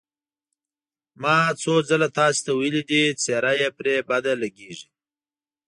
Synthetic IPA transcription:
mɑt͡sod͡zalat̪ɑse̥t̪awajlid̪it͡seɾajepɾebad̪alaɡeʐi

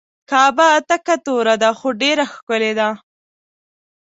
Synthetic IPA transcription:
kɑːbaːt̪akat̪oɾad̪axoɖeɾaxkəled̪a

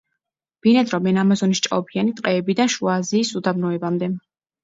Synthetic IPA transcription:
b̥inɛd̪ɾɔmɛnamɔzɔnist͡ʃʼa̰ɔbianit̪ʼqʼɛːbid̪anʃuaziːsud̪abnɔɛbamd̪ɛ

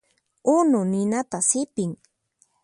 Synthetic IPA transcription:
ʊnʊnɪnat̪asɪpɪŋ

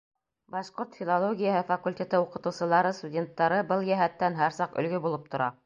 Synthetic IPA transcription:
bɑʃqoɾt̪fʲilˠolˠoɡʲijəɦɤfɐkulʲtʲet̪ɤuqɤ̆t̪ɤ̆wsɤ̆lˠɑɾɤst̪udʲe̞nt̪ːɑɾɤbɤlˠjæɦæt̪ːænɦæɾsɑqɵ̰̆lɡɵbulˠɤp̚t̪ŏɾɑ

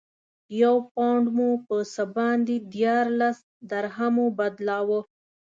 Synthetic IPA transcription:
jawpaɳɖmupəsəbɑnd̪id̪jɑɾlas | d̪aɾɦamubad̪lɑwə

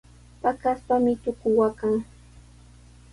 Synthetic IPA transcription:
pakaspamɪt̪ʊkʊwakaŋ

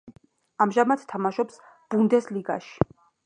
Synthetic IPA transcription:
amʒamat̪t̪ʰːamaʃɔps | b̥und̪ɛsliɡa̰ʃi̥

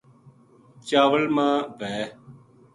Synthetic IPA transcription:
t͡ʃaːʋəlmãːʋɛː

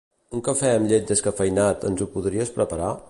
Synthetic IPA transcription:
uŋkəfɛəmʎet̪̚d̪əskəfəjnat̪ə̰nzupuðɾiəspɾəpəɾa

